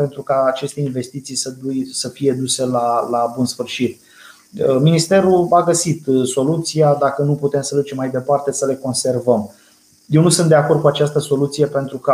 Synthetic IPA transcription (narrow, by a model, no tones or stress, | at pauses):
pe̞nt̪ɾukaːt͡ʃe̞st̪einve̞st̪it̪sijsəd̪ujsəfije̞d̪use̞lalabunsfɨrʃit̪̚ | minist̪e̞ɾuaɡəsit̪so̞lut̪sijad̪akənuput̪e̞msəd̪ut͡ʃemːajd̪e̞part̪e̞səle̞ko̞nse̞rvəm | jewnusunt̪d̪e̞ako̞rd̪̚kuat͡ʃast̪əso̞lut̪sije̞pe̞nt̪ɾukə